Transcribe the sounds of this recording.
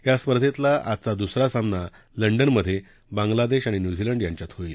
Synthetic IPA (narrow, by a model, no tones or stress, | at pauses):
jaspəɾd̪ʰʱet̪laʔa̰t̪t͡sad̪usɾasamna | ləɳɖənməd̪ʱːje | bãŋɡlad̪eɕaɽ̃injud͡ʑiləɳɖjãɲt͡ɕjat̪ɦoiːl